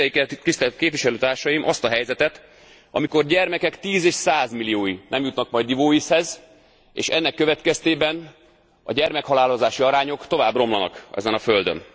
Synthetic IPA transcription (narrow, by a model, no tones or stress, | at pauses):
kɛt̪ist̪ɛlt̪keːpvʋiʃɛløːt̪aːrʃɒjimʔɒst̪ɒɦɛjzɛt̪ɛt̪ | ʔɒ̰miko̞rɟɛrmɛkɛkt̪iːzeːʃsaːzmilijoːjinɛmjut̪nɒkmɒjd̪ivoːishɛz | ḛːʃɛnːɛkːøvɛt̪kɛst̪eːbɛn | ɒ̰ɟɛrmɛkhɒlaːlozaːʃiɒɾaːɲo̞kt̪o̞vaːbro̞mlɒnɒ̰kɛ̰zɛnɒføld̪ø̰n